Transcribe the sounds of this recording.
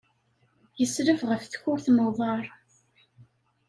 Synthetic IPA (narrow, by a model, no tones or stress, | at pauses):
jəsɾəvʁəfθçʊɾθməðˤɑɾˤ